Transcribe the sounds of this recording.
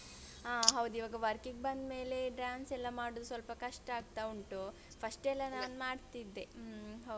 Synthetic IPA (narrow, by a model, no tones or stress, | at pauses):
aːɦɐʋd̪iʋaːɡɐʋɐɾkiɡ̚bɐnd̪me̞ːle̞ɖɾaːnsɛlːɐmaːɽod̪usʋɐlpɐkɐʂʈaːɡ̚t̪auɳʈu | pʰɐsʈɛlːɐnaːnmaːɖt̪id̪ːe̞ɦɐ